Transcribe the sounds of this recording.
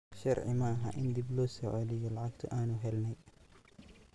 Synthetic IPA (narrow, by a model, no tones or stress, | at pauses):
ʃɐrʕɪ̰mɐːɦɐ̰ːʔɪnd̪iblɔːsɔʕɔlɪjɔlɑʕɑɡt̪ʰʊ̰ʔaːnʊɦɛlnɛj